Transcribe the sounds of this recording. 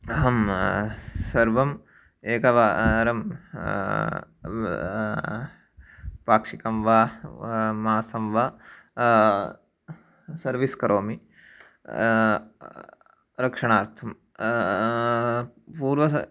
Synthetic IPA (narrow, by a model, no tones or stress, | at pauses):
ɦɐm | sɐɾʋɐm | eːkɐʋaɾɐm | paːkʂikɐmʋa | maːsɐmʋa | sɐɾʋiskɐɾʔoːmi | ɾɐkʂɐɳaːɾt̪ʰɐm | puːɾʋɐ